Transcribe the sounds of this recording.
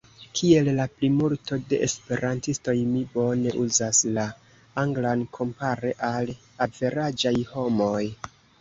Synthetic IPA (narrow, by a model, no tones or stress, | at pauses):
kʰie̞lːaplimulto̞de̞ʔespe̞ɾantisto̞jmibo̞ne̞ʔuzasla | aŋɡlankʰo̞mpaɾe̞ʔal | adve̞ɾad͡ʒajho̞mo̞j